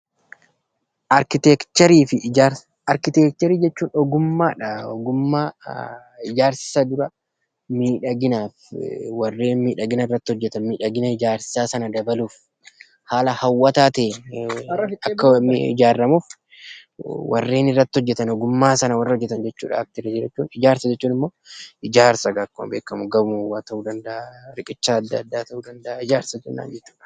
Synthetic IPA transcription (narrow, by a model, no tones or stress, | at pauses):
ɐɾkɪt̪ɛkt̪ɛɾiːfɪ | ɐɾkɪt̪eːk̚t̪ɛɾiːd͡ʒɛt͡ʃːuːnɔɡʊmːaːᶑɐɔɡʊmːaː | ɪd͡ʒaːɾsɪ̥sɐd̪ʊɾɐ | miːᶑɐɡɪnaːfwɐrːeːnmiːᶑɐɡɪnɐɪrːɐt̪ːhɔd͡ʒːɛt̪ɐnmiːᶑɐɡɪnɐɪd͡ʒaːɾsɪ̥saːsɐnɐd̪ɐbɐluːf | haːlɐhɐwːɐt̪aːt̪eː | ɐkːɐɪ̰d͡ʒaːɾːɐmuːf | wɐ̰rːe̞ːnɪrːɐt̪ːɪhɔd͡ʒːɛt̪ɐnɔɡʊmːaːsɐnɐwɐrːɐhɔd͡ʒːɛt̪ɐnd͡ʒɛt͡ʃːṵːᶑɐ̰ɐk̚t̪ɪɾɛd͡ʒɪɾɐt͡ʃːuːnɪd͡ʒaːɾsɐd͡ʒɛt͡ʃːuːnɪmːo̞ːʔɪd͡ʒaːɾsɐɡɐːkːɔmbeːkːɐmʊɡɐbmwaːt̪ɐuːd̪ɐnd̪ɐʔɐɾɪkʼɪt͡ʃːaːd̪ːɐɐd̪ːaːt̪ɐhuːd̪ɐnd̪ɐʔaɪd͡ʒaːɾsɐt̪ɪnːa̰ːnd͡ʒɛt͡ʃːu̥ːᶑɐ̥